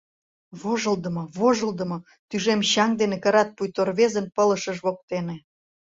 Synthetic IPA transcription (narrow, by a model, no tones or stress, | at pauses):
βoʒəld̪əmoβoʒəld̪ə̆mo | t̪yʒemɕɑŋd̪enekəɾɑt̪̚pujt̪orβezənpələʃəʒβok̚t̪ene